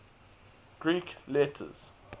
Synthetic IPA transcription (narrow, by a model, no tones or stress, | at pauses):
ɡ̥ɹiːklɛtʰə̰z̥